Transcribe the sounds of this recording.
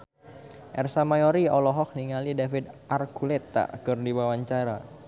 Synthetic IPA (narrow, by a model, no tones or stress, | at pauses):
ʔɛrsamajɔɾiɔlɔɦɔk̚niŋalidafɪd̪ʔarkulɛt̪ːa̰kɨrdibawaɲt͡ʃaɾa